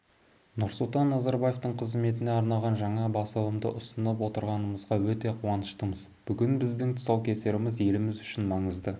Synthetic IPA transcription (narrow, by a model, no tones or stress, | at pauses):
nʊɾsʊlˠt̪ɑnːazɑɾbaje̞ft̪əɴqʰəzme̞t̪ɪne̞ɑɾnɑʁɑnʒɑɴɑbɑsɑw̪ˠəmd̪ə̰ʔʊsənəp̬wo̞t̪əɾʁɑnəməzʁɑwɵt̪e̞qʰuɑnəʃt̪əməzb̥ʏɡʲɪnbɪzd̪ɪŋt̪ʰʊ̥sɑwkʲʰe̞se̞ɾɪmɪzje̞lɪmɪzʏʃɪnmɑɴəzd̪ə